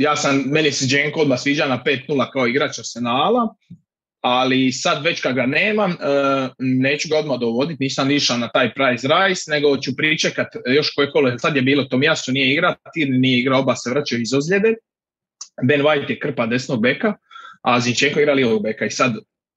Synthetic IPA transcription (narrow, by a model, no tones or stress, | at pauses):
jaːsamme̞nised͡ʒeːŋkoo̞d̪masʋiːd͡ʒanapeːt̪nuːlakaoiɡɾat͡ʃasenaːla | alisad̪ʋe̞t͡ɕkad̪ɡaneːmamː | ne̞ːt͡ɕuɡao̞d̪mad̪oʋo̞d̪it̪niːsamiʃanat̪aːjpɾajzɾajsne̞ɡo̞t͡ɕupɾit͡ʃekat̪jo̞ʃkojeko̞loelsad̪je̞biːlot̪oːmijasunijeiɡɾat̪iːɾninijeiɡɾalobaseʋɾat͡ʃajoizozlʲed̪e | benʋajt̪jekr̩pad̪e̞sno̞ɡ̚bekaazind͡ʒeŋkoiɡɾaliʋoɡ̚bekaisad̪